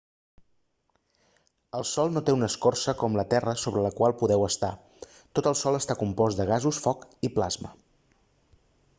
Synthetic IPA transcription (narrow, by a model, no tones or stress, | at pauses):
əlˠsɔlˠnot̪eunəskorsəkɔmlət̪ɛrəsoβɾələkwalˠpuðɛwəst̪a | t̪ot̪əlˠsɔlˠəst̪akumpɔzd̪əɣ̞azusfɔkiplazmə